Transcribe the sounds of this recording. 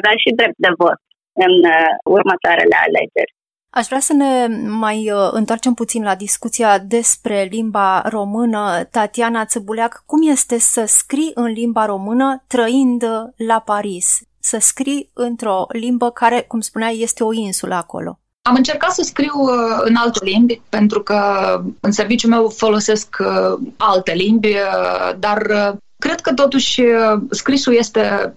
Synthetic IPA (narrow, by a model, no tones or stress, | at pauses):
avaʃid̪ɾep̚t̪̚d̪e̞vo̞t̪ | ɨnurmət̪oaɾḛlḛa̰lḛd͡ʒḛrʲ | aʃvɾasəne̞majɨ̰nt̪oart͡ʃe̞mput̪sinlad̪iskut̪sijad̪e̞spɾe̞limbaro̞mɨnət̪at̪ianat̪sɨbulakːumje̞st̪e̞səskɾiʔɨnlimbaɾo̞mɨnət̪ɾəind̪lapaɾisː | əskɾijɨnt̪ɾo̞limbəkaɾe̞kumspunajje̞st̪e̞o̞insulʔə̰ako̞̰lʔo̞̰ | amɨnt͡ʃe̞rkat̪səskɾiwɨnalt̪olimbʲpe̞nt̪ɾukəɨnse̞rvit͡ʃʲumewfo̞lo̞se̞sk | alt̪e̞limbʲd̪arə | kɾe̞d̪̚kət̪o̞t̪uʃʲskɾisuje̞st̪e̞